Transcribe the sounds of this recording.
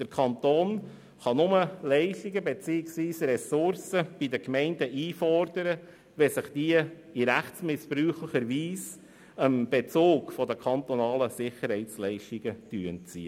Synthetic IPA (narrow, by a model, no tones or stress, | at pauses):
d̥əɾkʰɑnt̪oːn | χɑnʊməlɛɪʃtiɡəbet͡siːɪksviːsɾɛsʊɾsəb̥id̪əkmɛɪndəʔiːfɔrd̥əɾə | ʋɛsɪχd̥iə | iɾæχsmɪspɾyːχləχəɾʋiːs | əmb̥ɛt͡soːkfɔd̪əkʰɑnt̪ɔnɑːləsɪχəɾhɛɪtt͡slɛɪʃtiɡ̥ət̪yənt͡sḭːə